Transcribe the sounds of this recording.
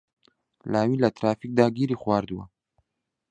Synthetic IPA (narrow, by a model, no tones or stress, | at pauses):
lɑwilat̪ɾɑfik̚d̪ɑɡiɾixwɑɾd̪wa̰